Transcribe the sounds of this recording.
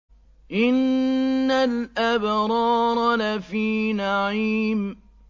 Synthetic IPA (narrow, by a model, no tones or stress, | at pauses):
ʔɪnː | alʔabɾˤɑːɾˤlafiːnaʕiːm